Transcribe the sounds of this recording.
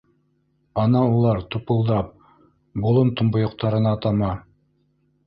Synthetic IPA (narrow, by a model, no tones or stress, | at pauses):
ɑnɑulˠɑɾt̪upŏlˠd̪ɑp̚ | bulˠɤmt̪ŏmbŏjŏqt̪ɑɾɤ̆nɑːt̪ɑmɑ